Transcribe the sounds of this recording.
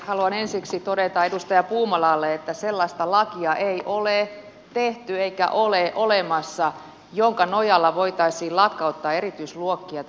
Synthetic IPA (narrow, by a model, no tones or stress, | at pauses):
hɑluɑnensiksit̪odet̪ɑedust̪ɑjɑpuːmɑlɑːlːeet̪ːæselːɑist̪ɑlɑkiɑʔeiʔole | t̪eht̪yeikæ̰ʔoleʔolemɑsːɑ | joŋkɑnojɑlːɑʋoit̪ɑisiːlɑkːɑut̪ːɑːerit̪yisluokːiɑt̪